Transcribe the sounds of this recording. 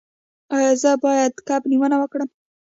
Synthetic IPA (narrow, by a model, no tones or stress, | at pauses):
ɑjɑzəbɑjad̪kabniwənawəkɽəm